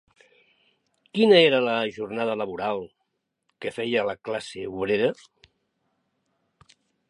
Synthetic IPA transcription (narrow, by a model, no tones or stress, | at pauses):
kinəeɾələʒurnaðələβ̞uɾalˠ | kəfɛjələklaseuβɾeɾə